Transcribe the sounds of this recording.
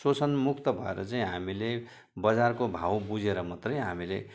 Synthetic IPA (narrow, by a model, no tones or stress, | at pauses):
sot͡sʰʌnmuk̚t̪ʌbʱʌḛɾʌ̰t͡saĩɦamile | bʌd͡zarkobʱawbud͡zeɾʌmʌt̪rʌjɦamilḛ